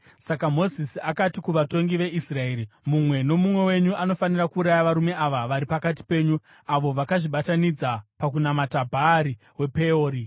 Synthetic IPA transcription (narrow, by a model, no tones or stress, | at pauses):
sakamo̞zisiakatikuʋato̞ŋɡiʋe̞ʔisrae̞ːɾimumwe̞no̞mumwe̞we̞ɲuʔano̞fanirakuːɾajaʋaɾume̞ʔaʋaʋaɾipakat̬i̥pe̞ːɲu | aʋo̞ʋakaʐiɓatanid͡zapak̬unamatabʱaːɾi | we̞pe̞oːɾi